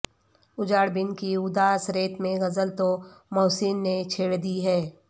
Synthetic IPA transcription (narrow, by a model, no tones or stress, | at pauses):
ʊd͡ʒaːɽbɪnkiʊd̪aːsɾeːt̪mẽɣɐzəlt̪omɔːsiːnːet͡ʃʰeːɽd̪iɦɛː